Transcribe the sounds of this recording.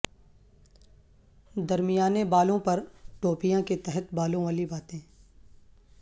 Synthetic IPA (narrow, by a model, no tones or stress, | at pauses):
d̪ɐɾmijaːnebaːlõpɐɾʈoːpijãket̪ɛɦət̪baːlõʋaːlibaːt̪ẽː